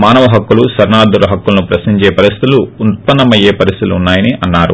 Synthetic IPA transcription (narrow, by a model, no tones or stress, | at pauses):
maːnɐʋɐɦɐkːulusɐɾnaːd̪uɾɐɦɐkːulɐnupɾɐsiɲt͡ʃeːpɐɾist̪it̪uluːn̚pɐnːɐmɐjeːpɐɾist̪iluːnːaːjɐniʔɐnːaːɾṵ